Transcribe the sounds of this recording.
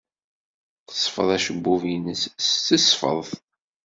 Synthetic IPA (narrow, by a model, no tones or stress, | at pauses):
θə̥sˤfə̰ðˤæʃəbːuvinəsst͡səsfə̰ðˤθ